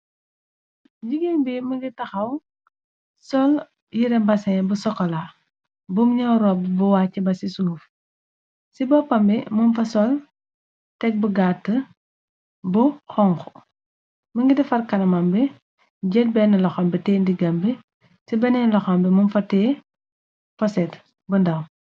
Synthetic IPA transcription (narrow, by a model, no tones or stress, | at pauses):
ɟiɡembimɐŋɡitɐxɐw | sɔl | jiɾɐbɐsɛbusɔkːɔla | bumɲɐwɾɔbbuwaːcːibɐsisuluf | sibɔpːɐmbɛmunfɐsɔl | tɛk̚bəɡatːə | buxɔŋxɔ | məŋɡidɛfɐrkɐnɐmɐmbɛ | ɟɛt̚bɛnːɐlɐxɐmbətɛːndiɡɐmbi | sibɐnɛnlɐxɐmbɛmunfɐtɛː | fɐsɛt | bundɐm